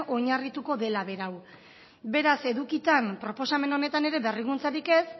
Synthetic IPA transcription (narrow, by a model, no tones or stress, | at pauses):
o̞ɲarit̪uko̞ðe̞laβe̞ɾaw | be̞ɾase̞ðukit̪ampɾo̞po̞same̞no̞ne̞t̪ane̞ɾe̞βe̞riɣunt͡saɾike̞s